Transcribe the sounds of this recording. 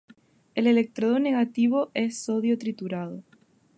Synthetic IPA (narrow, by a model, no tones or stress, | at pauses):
elelek̚t̪ɾoðone̞ɣat̪iβo̞ʔesːoðjo̞t̪ɾit̪uɾað̞o